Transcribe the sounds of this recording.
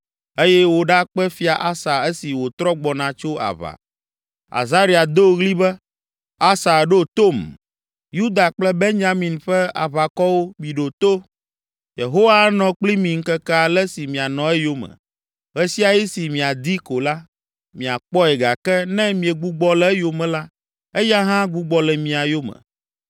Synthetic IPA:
e˦jɛ˦wo˦ɖa˦k͡pɛ˦fi˦a˨ʔa˦sa˨e˦si˨wo˨t̪ɾɔ˦ɡ͡bɔ˨nã˨t͡ʃo˦a̰˨βa̰˨ | a̰˨za˦ɾi˦a˨d̪o˦ɣli˦bɛ˦ | a˦sa˨ɖo˦t̪o˦˨m | ju˦d̪a˨k͡plɛ˦be˦nɲa˦mĩ˨nɸɛ˦a̰˨βa˨kɔ˦wo˦mĩ˨ɖo˨t̪o˦ | je˨ɦo˦wa˦nɔ̃˨k͡pli˦mĩ˨ŋ̩˦kɛ˦kɛ˦a˨lɛ˦si˨mĩ˨a˨nɔ̃˨ɛ˦jo˦mɛ̰̃˨ | ɣɛ˦si˦a˨ji˦si˨mĩ˨a˨d̪i˦ko˨la˦ | mĩ˨a̰˨k͡pɔ˦ɛ˨ɡa˨kɛ˦nɛ̃˦mĩ˨ɛ˨ɡ͡bu˦ɡ͡bɔ˦lɛ˨˦ɛ˦jo˨mɛ̃˨la˦ | e˦ja˦ɦã˦ɡu˦ɡ͡bɔ˨lɛ˨mĩ˨a˨jo˦mɛ̰̃˨

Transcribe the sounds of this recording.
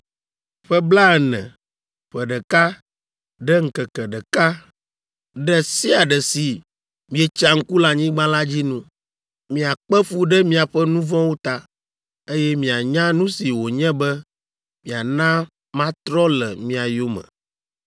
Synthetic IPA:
ɸɛ˦bla˦ɛ˨nɛ̰̃˨ | ɸɛ˨ɖɛ˨ka˦ | ɖɛ˦ŋ̩˨kɛ˨kɛ˨ɖɛ˨ka˦ | ɖɛ˦si˦a˨ɖɛ˨si˨ | mĩ˨ɛ˨t͡ʃa˦ŋ̩˦ku˦la˨ɲĩ˦ɡ͡bã˦la˦d͡ʑi˦nũ˦ | mĩ˨a˨k͡pɛ˦fu˦ɖɛ˦mĩ˦a˨ɸɛ˦nũ˦vɔ̃˦wo˦t̪a˦ | e˦jɛ˦mĩ˨a˨ɲã˦nũ˦si˨wo˨ɲɛ̃˦bɛ˦ | mĩ˨a˨nã˦ | mã˦t̪ɾɔ˦lɛ˨mĩ˨˦a˨jo˦mɛ̰̃˨

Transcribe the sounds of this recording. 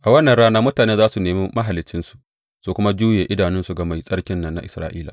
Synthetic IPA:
ʔa˨wɐ˦nːɐ˨nɽaː˦naː˦mʊ˦taː˨neː˦zaː˦su˨neː˨meː˦ma˦ɦa˨lːɪ˦t͡ʃːɪ˦nsu̥˨ʔ | su˨kʷʊ˦ma˦d͡ʒuː˦jeː˨ʔɪ˦daː˨nɪ˦nsu˨ɡa˨ma˨jsʼɐ˦ɽkʲɪ˦nːɐ˦nːa˨ʔɪ˨sɾaː˦ʔiː˦laː˨

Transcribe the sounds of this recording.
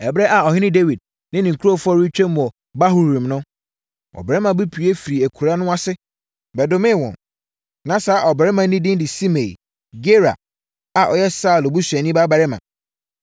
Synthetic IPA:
ɛ˨bɾɛ˦ʔa˨ɔ˨hɪ˦nɪ̃˦de˦wi˨d̚ | nɪ̃˦nĩ˨ŋ̩˨kʰu˦ɾo˦fʊ˦ɔ˦ɾi˦t͡ɕᶣɛ̃˦m̃˨ɔ˨ | ba˦ɦu˨ɾĩ˨mnʊ̃˦ | ɔ̰˨bɛ˨ɛ˦mã˨bɪ˦pʰi˨e˦fi˨ɾi˨æ˨kʰu˨ɾa˦nʊ̃˦a˦sɪ˦ | bɛ˨dʊ˦mɪ̃˦˨wɔ̰̃˨n | nã˨sa˨˦˨ʔɔ˨bɛ˨ɾɪ˦mã˨˦nĩ˦dɪ̃˦ndɪ˨si˦me˨i˨ | ɡe˦ɾa̰˨ | a˨ʔɔ˨jɛ˦sa˦˨lo˨bu˦sɛ˨nĩ˦ba˦ba˨ɾɪ˦mã̰˨

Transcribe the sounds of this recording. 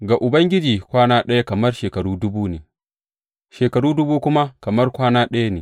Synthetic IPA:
ɡa˨ʔʊ˨bɐ˦ŋɡʲɪ˦d͡ʒiː˨kʷaː˦naː˦ɗɐ˦ja˦kɐ˨mɐ˦rʃeː˨kɐ˨ɽuː˦dʊ˦buː˦neː˨ | ʃeː˨kɐ˨ɽuː˦dʊ˦buː˦kʷʊ˦ma˦kɐ˨mɐ˦rkʷaː˦naː˦ɗɐ˦ja˦neː˨

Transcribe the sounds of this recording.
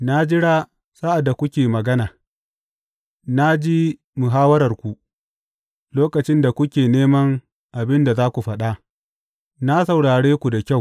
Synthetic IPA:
na˦d͡ʒɪ˦ɽa˦ | sa˦ʔa˨dːa˨kʷʊ˦kʲeː˨mɐ˨ɡɐ˦naː˨ | na˦d͡ʒiː˦ | mu˨ɦaː˦wɐ˦ɾɐ˨rkʷu˨ | loː˦kɐ˨t͡ʃɪ˦nda˨kʷʊ˦kʲeː˨neː˦mɐ˦ŋ | ʔa˨bɪ˦nda˨zaː˦kʷu˨ɸɐ˦ɗa˦ | na˦sɐ˨wɽaː˨ɽeː˦kʷu˨da˨kʲa˦˨w

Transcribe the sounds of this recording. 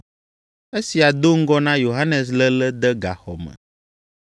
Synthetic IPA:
e˦si˨a˨d̪o˦ŋ̩˦ɡɔ˦nã˦jo˨ɦa˦nɛ˨s̬lə˦lə˦d̪ə˦ɡa̰˨xɔ̰˨mə̰̃˨

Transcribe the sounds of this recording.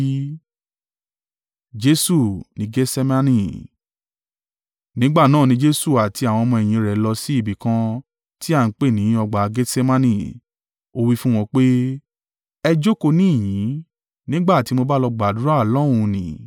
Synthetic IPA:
d͡ʒe˦su˦˨nĩ˧˦ɡe˦sɛ˦mã˦nĩ˦ | nĩ˦ɡ͡ba˦˨nãː˦˨nĩ˨˧d͡ʒe˧su˦˨a˨tʰi˧a˨w̃ɔ̃˧mɔ̃˧ɛ˨j̃ĩ˨˦ɾɛ˨lɔ˧si˦i˦˨bi˨kã˧ | ti˦a˦˨n̩˨˦k͡pe˦˨nĩ˨˦ɔ˧ɡ͡ba˨˧ɡe˦se˦mã˦nĩ˦˨ | o˧wi˦fũ˦w̃ɔ̃˧k͡pe˦ | ɛ˧d͡ʒo˦ko˧nĩ˦i˦˨jĩ˨˦ | nĩ˦ɡ͡ba˦˨ti˧˦mo˧ba˦lɔ˧ɡ͡ba˨du˨˦ɾa˦˨lɔ˦ũ˦˧nĩ˨

